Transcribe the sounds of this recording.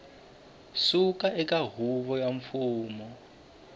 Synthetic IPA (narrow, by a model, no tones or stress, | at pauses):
sukaʔɛkaɦuβɔjaɱfuːmɔ